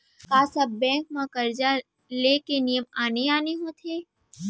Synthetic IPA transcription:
kaːsɐbːɛ̃ːŋk̚mãkɐɾd͡ʒa | leːkenijəmaːneaːneɦõt̪ʰeː

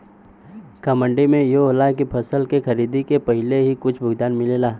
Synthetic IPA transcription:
kəmə̃ɳɖimẽjoɦolakipʰɐsəlkexɐɾiːd̪ikepəɦɪleɦikʊt͡ʃʰbʱʊɡd̪aːnmɪleːlaː

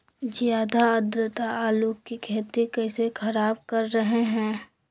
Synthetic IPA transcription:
zjaːd̪ʱaəd̪ɾət̪aaːluːkkːikʰeːt̪ikɐːsekʰɐɾaːb̚kɐɾːɐɦeɦɛ̃ː

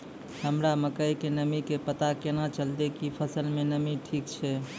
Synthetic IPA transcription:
ɦəmɾaməkəjkenəmikepət̪akenat͡ʃəlt̪ekipʰəsəlmenəmiʈʰikt͡ʃʰɛ

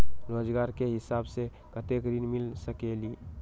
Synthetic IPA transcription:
ɾoːd͡ʒɡaːɾkeɦɪsaːbse | kət̪ekɾinmɪlsəkeːliː

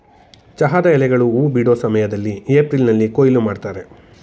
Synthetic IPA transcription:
t͡ʃɐɦaːd̪ɐɛlɛɡɐɭuuːbiɽoːsɐmɐjɐd̪ɐlːieːpɾilnɐlːikoːjilumaːɖt̪aːɾe̞

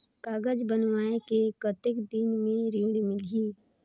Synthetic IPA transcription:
kaːɡəd͡ʒbənʋaːekekət̪ɪkd̪ɪnmẽɾiːɽmɪliː

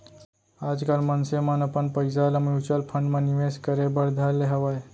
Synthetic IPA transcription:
ad͡ʒkəlmənsemənəpənpəjsaləmjut͡ʃəlpʰəɳɖmẽniʋeskəɾebəɾd̪ʱaleɦəʋaj

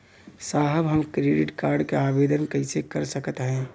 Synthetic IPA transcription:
saːɦəbɦəmkɾeːɖɪʈkaːɾɖkeaːbeːd̪ənkəɪsekəɾsəkət̪ɦɛ̃ː

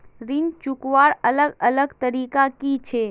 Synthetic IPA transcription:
ɾɪnt͡ʃʊkʋaːɾələɡələɡt̪əɾiːkakit͡ʃʰe

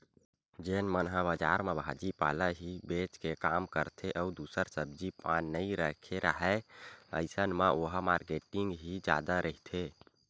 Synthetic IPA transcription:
d͡ʒenmənɦəbəd͡ʒaɾmebʱad͡ʒipaləɦibet͡ʃkekamkəɾt̪ʰeʔəud̪usəɾsəbd͡ʒipanːəiɾəkʰeɾʔəɦəə̰ɪsənmeoɦəmaɾkeʈiŋɡɦid͡ʒa̰d̪aɾʔəɦit̪ʰe

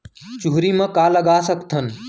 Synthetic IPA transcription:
t͡ʃuɦɾimə̃kaːləɡaːsəkt̪ʰən

